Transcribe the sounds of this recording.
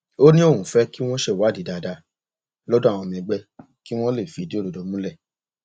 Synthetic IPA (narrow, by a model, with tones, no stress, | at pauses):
o˦nĩ˦o˦˨ũ˨˦fɛ˦ki˦w̃ɔ̃˦ʃe˦˨wa˨˦˨di˨˦da˨da˧ | lɔ˦dɔ̃˦a˨w̃ɔ̃˧˨mĩ˧ɡ͡bɛ˦ | ki˦w̃ɔ̃˦le˦˨fi˨di˦o˦˨ɾo˨do˨˧mũ˦lɛ˦˨